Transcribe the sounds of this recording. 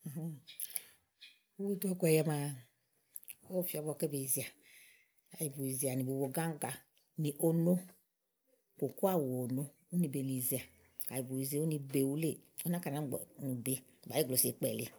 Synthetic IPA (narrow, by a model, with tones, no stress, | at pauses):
u˦wu˦dɔ˦kʷɛ˨jɛ˧ma˨ | o˦˨fi˦ɔ˨˦bɔ˨ke˦be˨i˨zi˨a˨ | ka˨ji˨bu˨i˨zi˨a˨ni˨bu˨wo˨ɡa˦ŋ˦ɡa˨ | ni˨ʔo˦no˦ | ko˨ko˦a˦˨wo˨o˨no˦ | u˦ni˧be˨ni˨zi˨a˨ | ka˨ji˨bu˨i˨ze˦u˦ni˧be˨wu˦le˦˨o˦na˦ka˨na˨˦˨nu˨be˦˨ | ɡ͡ba˨˦i˦ɡlo˨si˨˦k͡pɛ̰˨lḛ˨